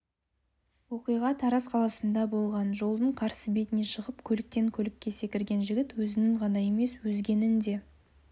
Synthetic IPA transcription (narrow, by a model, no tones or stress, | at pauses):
wo̞qijʁɑt̪ʰɑɾɑsqʰɑlˠɑsənd̪ɑbo̞lˠʁɑnʒo̞lˠd̪əɴqʰɑɾsəbe̞t̪ɪne̞ʃəʁəpkʲʰɵlɪk̚t̪e̞ŋkʲʰɵlɪkʲːe̞se̞kʲɪɾɡʲe̞nʒɪɡʲɪt̪wɵzɪnɪŋʁɑnɑje̞me̞swɵzɡʲe̞nɪnd̪e̞